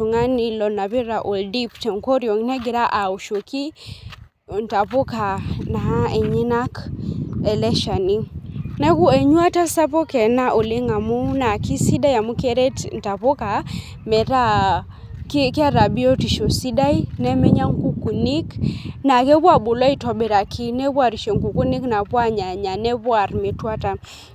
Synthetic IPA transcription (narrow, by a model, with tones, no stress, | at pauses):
u˨ŋa˦ni˨lɔ˨na˨βi˦ɾa˨ʔo˨ldi˦ptɛ˨ŋkɔ˦ɾjɔ˨ŋnɛ˦ɡi˨ɾa˦ʔa˨u˨ʃo˨ki˦˨ | n˨ta˨po˦ka˨na˨a˦ɛ˨ɲɛ˦na˦k | ɛ˨lɛ˦ʃa˨ni˦nɛ˦ku˦ɛ˨ɲwa˦ta˦sa˦pɔ˦kɛ˨na˦ʔo˨le˦ŋa˨mu˦na˨ki˦si˦da˦ja˨mu˦kɛ˦ɾe˦tn̩˨ta˨po˦ka˨ | mɛ˨ɾa˦ | kkɪ˦a˦ɾa˨bi˦o˦ti˨ʃo˨si˦da˦i˦nɛ˦mɛ˦ɲa˦ŋ˦ku˦ku˨ni˦kna˨kɛ˦bwa˦˨bo˨la˦i˦˨tɔ˨be˨ɾa˨kʰi˦nɛ˦bwa˦˨ɾi˨ʃe˨ŋku˨ku˦ni˦kna˨pwa˦ɲa˨ɲa˨nɛ˦bwa˨rme˨twa˦ta˦